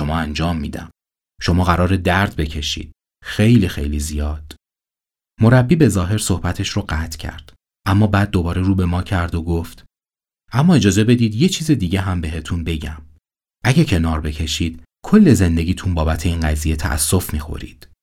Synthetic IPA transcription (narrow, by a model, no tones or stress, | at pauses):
ʃo̞mɒːænd͡ʒɒːmːiːd̪æ̰m | ʃo̞mɒːɣæɾɒːɾed̪æɾd̪̚be̞cʰe̞ʃḭːd̪̥̚ | xe̞jliːxḛjliːzijɒːd̪̥ | o̞ɾæbːiːbe̞zɒːɦe̞ɾsohbæt̪ʰe̞ʃroɢæːt̪ʰcʰæ̰ɾd̪̥ | ʔæmːɒːbæːd̪̚ːo̞bɒːɾeɾuːbe̞mɒːcʰæɾd̪oɡoft̪ | ʔæmːɒːe̞d͡ʒɒːze̞be̞d̪iːd̪je̞t͡ʃʰiːze̞d̪iːɟe̞ɦæmbe̞ɦe̞t̪ʰunbe̞ɟæm | ʔæɟecʰe̞nɒːɾbe̞cʰe̞ʃiːd̪̥ | kʰo̞lːeze̞nd̪e̞ɟʲiːt̪ʰunbɒːbæt̪ʰe̞iːnɡæziːje̞t̪ʰæ̰ʔæ̰sːo̞fmiːxo̞̰ɾḭːd̪̥